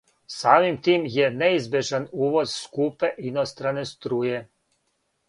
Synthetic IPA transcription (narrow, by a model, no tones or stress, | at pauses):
saːmimt̪iːmjeneizbʲje̞ʒanuːʋo̞zskupeʔinost̪ɾane̞st̪ɾuːje̞